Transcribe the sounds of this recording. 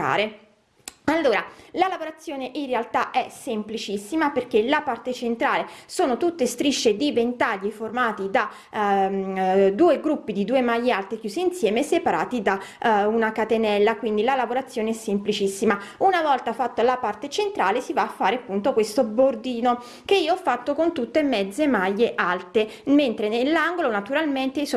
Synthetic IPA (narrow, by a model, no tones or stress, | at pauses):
a̰ːɾe | alːoːɾalalavoɾat̪sːjoːneʔinrealt̪aʔɛsemplit͡ʃisːimaperk̟elapart̪et͡ʃent̪ɾaːlesoːnot̪ut̪ːest̪ɾiʃːed̪ivent̪aʎːiformaːt̪id̪a | d̪uːeɡɾupːid̪id̪uːemajːialt̪ik̟juːziːnsjɛːmesepaɾa̰ːt̪id̪aunakat̪enɛlːakwind̪ilalavoɾat̪sːjoːneɛsːemplit͡ʃisːimaunavɔlt̪afat̪ːalapart̪et͡ʃent̪ɾaːlesivaːfːaːɾeapːunt̪okwest̪obord̪iːno | keiːoɔfːat̪ːokont̪ut̪ːemɛd̪zːemaʎːeʔalt̪ement̪ɾenelːaŋɡolonat̪uɾalment̪es